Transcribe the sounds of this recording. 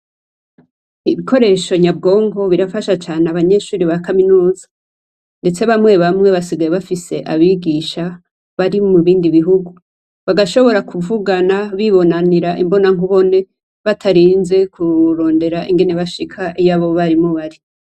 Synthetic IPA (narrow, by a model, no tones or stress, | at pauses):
iβiko̞ɾe̞ʃo̞ɲab̚ɡo̞ːŋɡo̞βiɾafaʃat͡ʃaːneaβaɲe̞ʃuːɾiβakaminuːzḁ | nde̞t͡se̞βamŋe̞βamŋe̞βasiɡajeβafise̞ʔaβiɡiʃa | βaɾimuβiːndiβiɦuɡu | βaɡaʃo̞βo̞ɾakʰuvuɡanaβiβo̞naniɾaʔimbo̞naŋhuβo̞ne̞ | βatʰaɾiːnze̞kʰuɾo̞ːnde̞ɾaʔiŋɡe̞ne̞βaʃikʰaʔijaβo̞βaɾimoβaɾi